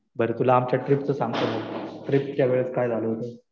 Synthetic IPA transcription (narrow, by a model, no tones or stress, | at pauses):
bəɾet̪ulaːmt͡ɕjaʈɾipt͡səsaŋɡt̪əʈɾipt͡ɕjaʋeɭət͡skajd͡zʱaləɦot̪o